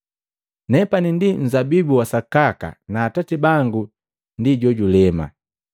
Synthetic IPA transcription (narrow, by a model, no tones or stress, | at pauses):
nɛpanindin̩zabibuwasakaka̰naːtatibaŋɡu | ndiɟɔɟulɛma̰